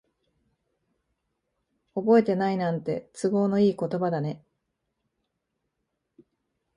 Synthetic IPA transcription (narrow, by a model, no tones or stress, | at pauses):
o̞bo̞e̞t̪e̞nainãnt̪e̞̰t͡sɨɡo̞ːno̞iːko̞t̪o̞bad̪ane̞